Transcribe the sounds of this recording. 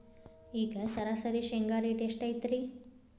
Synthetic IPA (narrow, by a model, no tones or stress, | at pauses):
iːɡɐsɐɾaːsɐɾiʃeŋɡaːɾiʈeʂʈajt̪ɾi